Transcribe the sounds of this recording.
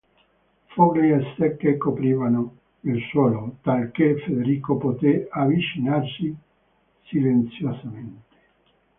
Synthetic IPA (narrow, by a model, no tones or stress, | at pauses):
foɡeest̪ɛkːekːopɾiːvano | ilswɔːlot̪alkefed̪eɾiːkopot̪eavit͡ʃinarsi | silent̪sjosament̪e̥